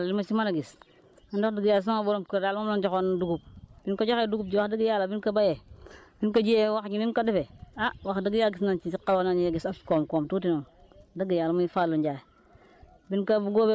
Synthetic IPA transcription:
llimat͡ʃimanaɡis | andokdiɡijals̬aŋaboɾomkadalmamand͡ʒokonduɡup̚b̥inkad͡ʒokeduɡub̚d͡ʒiwakdiɡijalabinkabajebinkad͡ʒiewakɲininkadifeawakdiɡijaɡisnant͡ʃit͡ʃikːawnaneɡisafkomkomtutinondəɡijalumaifalːund͡ʒa | binkabɡobe

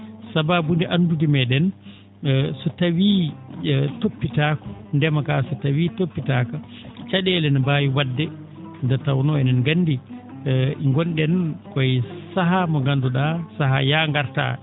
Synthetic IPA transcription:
sababundɛʔandudimɛɗɛn | sɔtawi | topːitaːkɔ̥ndɛmakasɔtawitopːitaːka | t͡ʃaɗɛlɛnbaːjiwadːɛ | ndɛtawnɔɛnanɡanːdi | ʔiŋɡɔnɗɛnkɔjsaɦamɔɡanduɗasaɦajaŋɡaɾta̰

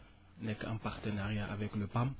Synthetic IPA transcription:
nɛkɛ̰̃paʁt̪ənaʁjaʔavɛkləpam

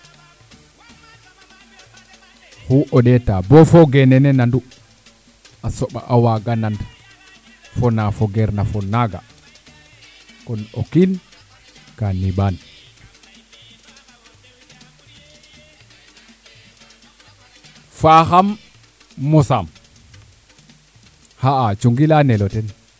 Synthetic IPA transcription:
huʔɔɗɛtabɔfɔɡɛnɛnɛnandu | ʔasɔɓa̰ʔawaɡanandu | fɔnafɔɡɛɾnafɔnaɡa̰ | kɔnɔ̰kin | kaniban | faxamː | ɔsam | haat͡ʃuŋɡilanɛlɔtɛn

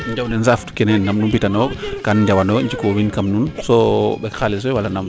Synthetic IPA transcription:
ɲd͡ʒawdɛnsaftu̥kɛnɛnːamnunpitanɔkanɲd͡ʒawanɔɲd͡ʒikɔwinkamnunsɔbɛxalis̬ɔjwalanam

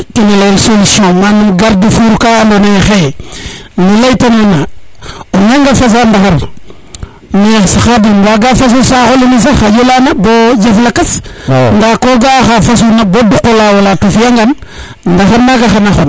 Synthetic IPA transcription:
kinalalsolisiomanumɡaɾdifuɾkandonexe | nilajtananaonaŋɡafas̬andaxaɾ | nisaxadimbaɡafas̬usaxolinis̬axad͡ʒolanabod͡ʒeflakasndakoɡaxafas̬unabodukolawalatofjaŋɡan | ndaxaɾnaɡaxanaxo

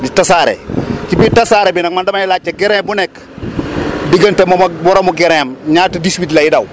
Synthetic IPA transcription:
ditasaɾḛkibitasaːɾebinaŋmandamanilat͡ʃːeɡeɾẽbunek | diɡantemombuɾamuɡeɾemɲaːtudiswitlaidaw

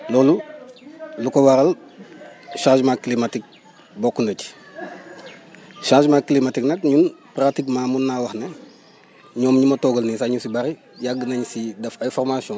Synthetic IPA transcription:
lɔːlu | lukowɐɾɐl | ʃãːʃmakːlimatik̚ | bɔkːundɐci̥ | ʃãːʃmakːlimatiknɐkɲunpratikmaːmunːawɐxne | ɲɔːmɲumɐtɔɡɐlnisaɲusibɐɾi | jaɡːənɐɲsidɐfɐjfɔrmasiɔ̃

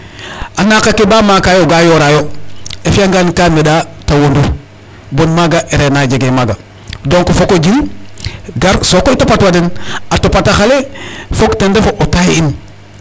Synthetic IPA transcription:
anakakebamakajoɡajoɾajoefiaŋɡankamedatawonduɾ | bonmaɡaʔeɾenaɟeɡemaɡa | doŋkofokoɟin | ɡaɾsokoitopatwadenatopataxalefoktendefoʔotajin

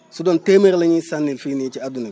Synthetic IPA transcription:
sudɔntemɛɾlaɲisanːilfinit͡ʃiaduni

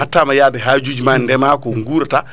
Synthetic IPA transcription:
atːamajadɛɦad͡ʒud͡ʒmandɛmaːkɔŋɡuːɾta

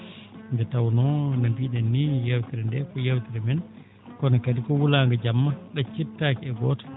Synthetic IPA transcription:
ndɛtawnɔnabiɗɛnːijɛwtiɾɛndɛkɔjawtiɾɛmɛn | kɔnakadikɔwulaŋɡad͡ʒamːaɗat͡ʃitːaːkɛɛɡɔːtḁ

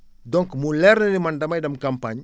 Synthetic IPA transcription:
dɔŋkmulɛɾnənimandɐmajdɐmkampaɲ

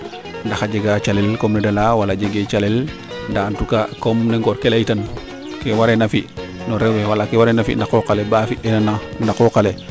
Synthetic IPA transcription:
ndaxaɟeɡat͡ʃalɛlkɔmnɛdalawalaɟeɡet͡ʃalɛl | ndantukakɔmneŋɡɔɾkelajitan | kewaɾɛnafiʔ | nɔɾɛwewalakewaɾɛnafḭndaxokalebafiʔɛnanandakokale

